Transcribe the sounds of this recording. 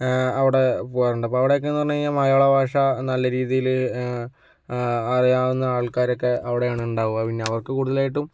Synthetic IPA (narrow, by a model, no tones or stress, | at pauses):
ɐʋiɽe̞poːjɐruɳɖɨɐp̬ːoɐʋiɽejo̞kːenːɨpɐrɐɲːɐamɐjoːɭɐbʱaːʂɐnɐlːɐɾiːðijil | ɐrijaːʋunːɐaːɭkaːɾokːe̞ɐʋiɽe̞jaːɳɨuɳɖaːʋumɐpinːeɐʋɐrkːɨkuːɽuðɐlaːjiʈːum